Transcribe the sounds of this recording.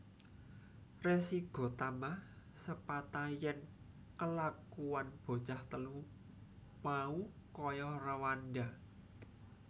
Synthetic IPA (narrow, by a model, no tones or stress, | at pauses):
resiɡ̥o̤t̪ama | səpat̪ajɛn | kəlakuanb̥o̤t͡ʃaht̪əlu | maukɔjɔrəwanɖa